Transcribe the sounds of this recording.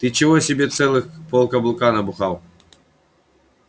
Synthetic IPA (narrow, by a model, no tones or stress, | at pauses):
t̪ɨt͡ɕɪvɔsʲɪbʲet̪sɛlˠɨxpɔlˠkɐblˠʊkanɐbʊxaw